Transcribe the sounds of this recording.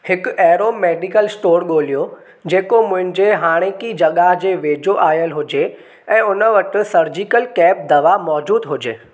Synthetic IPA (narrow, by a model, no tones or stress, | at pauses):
hɪkɛːɾoːmeːɖɪkəlsʈoːɾɠoːlijo | d͡ʑeːkomʊ̃ɦɪ̃nd͡ʑeɦaːɽ̃ekid͡ʑɐɠaɦd͡ʑeːʋeːd͡ʑoʔaːjəlɦʊd͡ʑe | ɛ̃ːʊnəʋɐʈɪ̆sɐɾd͡ʑikəlkɛːp̚d̪ɐʋamɔːd͡ʑuːd̪ɦʊd͡ʑeː